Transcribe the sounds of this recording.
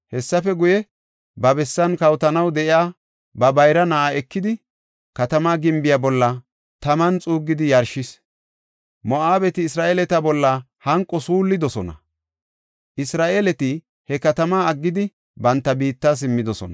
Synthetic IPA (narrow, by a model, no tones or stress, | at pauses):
hɛsːɐfɛɡʊjɛ | bɐbɛsːɐnkɐwt̪ɐnɐwd̪ɛʔɪaː | bɐbɐjɾɐnaʔaɛkːɪd̪ɪ | kɐt̪ɐmaːɡɪmbɪjabɔlːɐ | t̪ɐmɐnt͡sʼuːɡːɪd̪ɪjɐɾʃɪs | mɔʔaːbɛt̪ɪːsɾaːʔeːlɛt̪ɐbɔlːɐ | hɐŋkʼːɔsuːlːɪd̪ɔsɔnɐ̰ | ʔɪsɾaːʔelɛt̪ɪ | hɛkɐt̪ɐmaɐɡːɪd̪ɪ | bɐnt̪ːɐbiːt̪ːas̬ɪmːɪd̪ɔsɔ̰nɐ